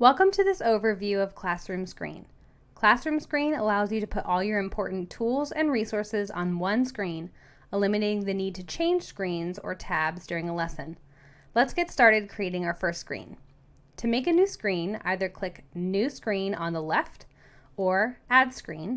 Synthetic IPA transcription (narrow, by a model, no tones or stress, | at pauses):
wɛlˠkə̃mtʰɨðɪsoʊvə˞vjʉʌv̥kʰl̥æsɹʉ̃mskɹḭ̃n | kʰl̥æsɹʉ̃mskɹĩnə̰laʊzjɨɾɨpʰʊɾʔɔlˠjə˞ɨ̃mpʰɔɹʔn̩tʰulˠzɨ̰̃nɹisɔɹsɪzn̩wʌ̃nskɹĩn | əlɪ̃mɨneɪɾɪ̃ŋðɨnid̚tʰɨt͡ʃʰẽɪ̃nʒ̥skɹĩnzə̰˞tʰæbzdʊɹɪ̃ŋəlɛsɨ̃n | lətsɡ̥ɛtstɑɹɾɨd̚kʰɹ̥ieɪɾɪ̃ŋaʊə˞fɜ˞stskɹḭ̃n | tʰɨmeɪkɨnʉskɹĩna̰ɪðə˞kʰl̥ɪknʉskɹĩnə̰̃nðəlɛft | ə˞æd̥skɹḭ̃n